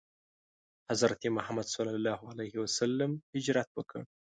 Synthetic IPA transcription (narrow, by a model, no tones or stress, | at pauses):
hazɾat̪emʊhamad̪sɑlːɑlɑːhalajhɪwasalːamhɪd͡ʒɾat̪wəkʰə̰ɽ